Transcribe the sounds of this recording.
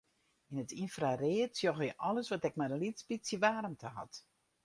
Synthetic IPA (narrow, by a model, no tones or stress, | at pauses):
inətʰinfrareətsjɔɣjəʔɔləsʋɔtɛk̚mɛdənlitspisjəʋaːɾəmtʰəɦɔ̰t